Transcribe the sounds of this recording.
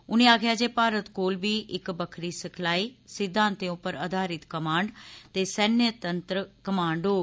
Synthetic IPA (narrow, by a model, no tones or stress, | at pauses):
ʊneaːkʰjad͡ʑeːpaːɾət̪koːlbiʔɪkbɐkʰɾisɪkʰlaːiːsɪd̪ʱːãːnt̪ẽũpəɾɐd̪ʱaːɾɪt̪kɐmaːɳɖt̪eːsɐnjət̪ɐ̃nt̪ɾəkɐmãːɳɖoː